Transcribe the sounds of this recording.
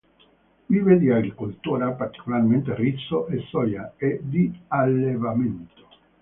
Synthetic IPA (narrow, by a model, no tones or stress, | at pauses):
viːved̪iaɡɾikolt̪uːɾapart̪i̥kolarment̪eritsːoʔesɔjaed̪ialːevament̪o̥